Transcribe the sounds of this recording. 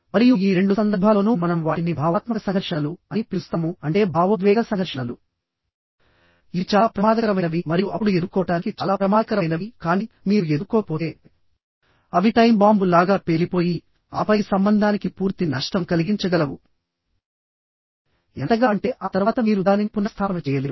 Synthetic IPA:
mɐɾijuiːɾe̞ɳɖusɐnd̪ɐɾbʱaːloːnuːmɐnɐmʋaːʈinibʱaːʋaːt̪mɐkɐsɐŋɡɐɾʂɐnɐluɐnipist̪ɐmuɐɳʈe̞ːbʱaːʋɐd̪ʋɛːɡɐsɐŋɡɐɾʂɐɳɐlu | iːt͡ʃaːpɾɐmaːd̪ɐkɐɾɐmɐnɐʋimɐɾijuʔɐpːuɽued̪ukːɔːʈaːnikit͡ʃaːlaːpɾɐmaːd̪ɐkɐɾɐjnɐʋikaːni | miːɾue̞d̪ukːoːpoːt̪eː | ɐʋiʈɐjmbaːmbulaːɡaːpelipo̞ːji | a̰ːpɐjisɐmbɐnd̪ʱaːnikipuːɾt̪inɐʂʈɐmkɐliɡiɲt͡ʃɐɡɐlɐwu | ɛnt̪ɐɡaːɳʈe̞ːʔaːt̪ɐɾʋaːt̪ɐmiːɾud̪aːnimpunːɐst̪ʰaːnɐmɐt͡ʃɛːjɐleː

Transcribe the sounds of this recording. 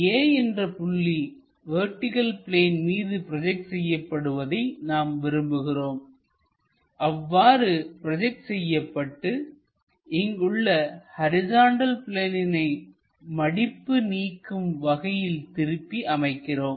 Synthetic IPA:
eːɛndrɐpʊɭːi | ʋeːʈːɪɣɐlpɪleːnmiːðɯpɪɾɐd͡ʒɛk̚ʈsɛjːɐpːɐɽɯʋɐðɐɪnaːmʋɪɾɯmbɯɣɪroːm | ʔɐʋːaːɾɯpɪɾɐd͡ʒɛk̚ʈsɛjːɐpːɐʈːɯ | ʔɪŋɡɯɭːɐhɐɾɪzaːɳɖɐlpɪleːnɪnɐɪ | mɐɽɪpːɯniːkːɯmʋɐɣɐjɪlt̪ɪɾɯpːiʔɐmɐɪkːɪroːm

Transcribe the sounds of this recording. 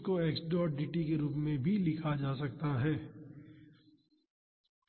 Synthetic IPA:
koeːksɖɔːʈ̚ɖiːʈikeɾuːpmẽbʱilɪkʰad͡ʒaːsɐk̚t̪aɦɛː

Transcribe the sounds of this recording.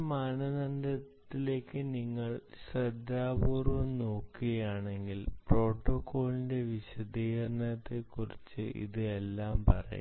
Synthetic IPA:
maːnɐnɐnd̪ɐt̪ːile̞ːkːɨniŋːɐɭɕrɐd̪aːpuːrʋɐmno̞ːkːiɣɐjaːɳe̞ŋɡilpro̞ːʈːokːo̞ːɭinde̞ʋiɕɐd̪iːɣɐrnɐt̪ːe̞kːurit͡ɕːɨ̰ʔḭðɨe̞lːaːmpɐ̰rɐ̰jṵ

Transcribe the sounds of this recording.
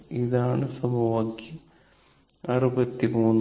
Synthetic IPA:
iðaːɳɨsɐbʱɐʋɐkːi | ɐrubɐt̪ːimuːnː

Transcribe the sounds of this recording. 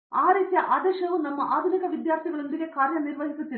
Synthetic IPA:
aːɾikːjɐʔaːd̪ɐʂɐʋunɐmːɐʔaːd̪ʱunikɐʋid̪jaːrt̪ʰiɣɐɭund̪iɣekaːɾjɐnirʋɐɦikːut̪ːi

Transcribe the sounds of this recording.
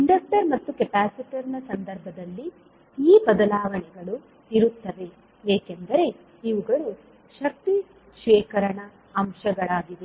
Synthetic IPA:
iɳɖɐsʈɐɾmɐt̪ːukepaːsiʈɐɾnɐsɐnd̪ɐɾbʱɐd̪ɐlːi | iːbɐd̪ɐlaːʋɐɳɛɡɐɭu | iɾut̪ːɐʋe̞ | eːkend̪ɐɾe̞ | iʋuɡɐɭu | ʃɐk̚t̪i | ʃʋɛːkɐɾɐɳɐː | mʃɐɡɐɭaːɡid̪e

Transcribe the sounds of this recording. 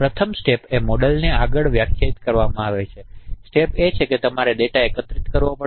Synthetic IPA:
pɾət̪ʰəmsʈepemɔɽəlneaɡəɭʋjakʰjait̪kəɾʋamãaʋet͡ʃʰesʈepet͡ʃʰeket̪əmaɾed̪eʈaekət̪ɾit̪kəɾʋomə

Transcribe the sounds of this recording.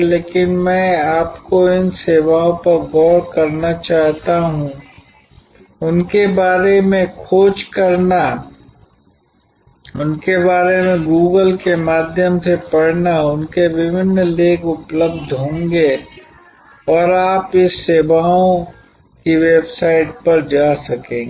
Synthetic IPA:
leːkɪnmɛ̃aːpkoɪnseːʋaõpɐɾɡɔːɾkɐɾnat͡ʃaːɦt̪aɦũ | ʊnkebaːɾemẽkʰoːd͡ʒkɐɾna | ʊnkebaːɾemẽɡuːɡəlkemaːd̪ʱjəmsepɐɽnaʊnkeʋɪʋɪnːlẽːkʊpləbd̪ʱɦõːŋɡe | ɔːɾaːpɪsːeːbaõ | kiʋeːbsaːɪʈ̚pɐɾd͡ʒaːsɐkẽːɡ

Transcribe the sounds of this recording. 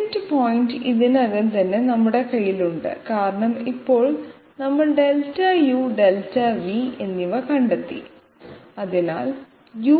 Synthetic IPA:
ntɨpoːjntɨiðinɐðint̪ɐnːe̞nɐmːuɽe̞kɐjːiluɳɖɨ̰kaːɾɐɳɐmipːo̞ːɭ | nɐmːɐɭɖe̞ltːɐjuːɖeltːɐʋie̞nːiʋɐkɐɳɖɐt̪ːḭ | ɐðina̰ːl | ju

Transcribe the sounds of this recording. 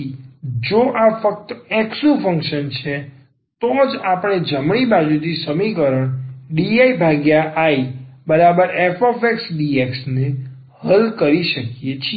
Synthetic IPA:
d͡ʒoʔafək̚t̪əɛksufʰə̃ŋkʃənt͡ʃʰe | t̪od͡ʒapɳ̃ed͡ʒəmɳ̃ibad͡ʒut̪isəmikəɾəɳɖiaibʱaɡjaʔaibəɾabəɾefofeksɖieksne | həlkəɾiʃəkijet͡ʃʰ

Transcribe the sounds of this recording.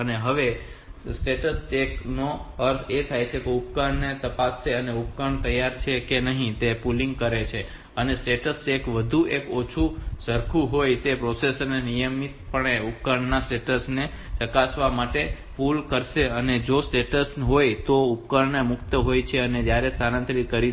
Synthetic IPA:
əneɦəʋesʈeʈəst͡ʃeknoəɾt̪ʰet̪ʰajt͡ʃʰekeupkəɾɳːet̪əpasːeəneup̚kəɳt̪əjaɾt͡ʃʰekenəɦĩt̪epulĩŋɡ̚kəɾet͡ʃʰe | ənesʈeʈəst͡ʃekʋəd̪ʱuʔekot͡ʃʰusəɾkʰuɦojt̪epɾosesənenijəmit̪̚pəɳ̃eup̚kəɾɳːasʈeʈəsne | t͡ʃəkasʋamaʈe | pulkəɾʃeəned͡ʒosʈeʈəsɦojt̪oʊpkəɾnemʊkʰt̪əɦojt͡ʃʰeəned͡ʒjaɾest̪ʰanãnt̪ɾikəɾi

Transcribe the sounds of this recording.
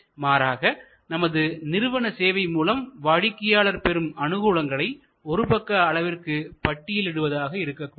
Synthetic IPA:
maːɾaːɣɐ | nɐmɐðɯnɪɾɯʋɐɳɐseːʋɐɪmuːlɐmʋaːɻɪkːɐjaːɭɐɾpɛɾɯmɐnɯɣuːɻɐŋɡɐɭɐɪ | ɔɾɯpɐkːɐːɭɐʋɪrkɯpɐʈːɪjɪlɪɽɯʋɐðaːɣɐɪɾɯkːɐkːʊ

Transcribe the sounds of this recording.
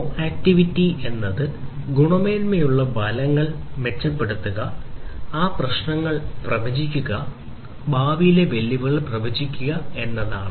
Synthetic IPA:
aːk̚tiʋitːie̞nːɐðɨ | ɡuɳɐmeːnmejuɭːɐbɐlɐŋːɐɭme̞t͡ɕːɐpːe̞ɽut̪ːuɣɐ | aːprɐɕɳɐŋːɐɭprɐʋɐd͡ʑikʲːuɣɐ | baːʋijile̞ʋe̞lːiʋɐɭprɐʋɐd͡ʑikʲːuɣɐe̞nːɐða̰ːɳɨ

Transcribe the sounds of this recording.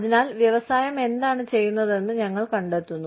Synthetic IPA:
ɐðinaːlʋjɐʋɐsaːjɐme̞nd̪aːɳɨt͡ɕe̞jːunːɐðe̞nːɨɲɐŋːɐɭkɐɳɖet̪ːunːu

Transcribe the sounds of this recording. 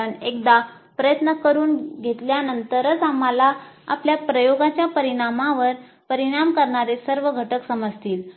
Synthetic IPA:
anek̚d̪a | pɾəjət̪nəkəɾuːnɡʱet̪ljanənt̪əɾət͡samalaa̰pljapɾəjoɡãt͡ɕjapəɾiɽ̃amãʋəɾ | pəɾiɽ̃amkəɾɳaɾesəɾʋəɡʱəʈəksəməd͡zʱt̪iːl

